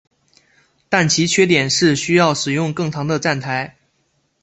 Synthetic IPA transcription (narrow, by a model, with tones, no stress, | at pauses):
t̪a˥˩nt͡ɕʰi˧˥t͡ɕʰɥɛ˥˩t̪̬jɛ˨˩nʂɻ̩˥˩ɕy˥jɑ˥˩ʊʂɻ̩˨˩jʊ˥˧ŋkɤ˥˩ŋt̪ʰɑ˧˥ŋd̪ə˧ʈ͡ʂa˥˩nt̪ʰa˧˥ɪ